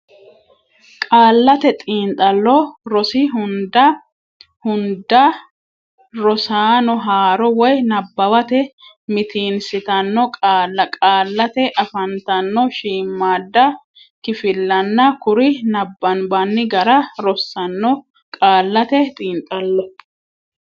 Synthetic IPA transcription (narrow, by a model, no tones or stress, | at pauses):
kʼaːlːɐt̪ɛt̪ʼiːnt̪ʼɐlːɔɾɔsɪɦʊnd̪ɐ | hʊnd̪ɐ | ɾɔsaːnɔɦaːɾɔwɔjnɐbːɐwɐt̪ɛ | mɪt̪iːnsɪt̪ɐnːɔkʼaːlɐkʼaːlːɐt̪ɛʔɐfɐnt̪ɐnːɔʃiːmːaːd̪ːɐ | kɪfɪlːɐnːɐkʊɾɪnɐbːɐnbɐnːɪɡɐɾɐɾɔsːɐnːɔ | kʼaːlːɐt̪ɛt̪ʼiːnt̪ʼɐlːɔ